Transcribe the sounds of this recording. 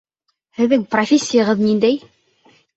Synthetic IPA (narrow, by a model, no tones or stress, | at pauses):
hɘ̆ðɘŋprofʲesʲːɪjəʁɤðnind̪æj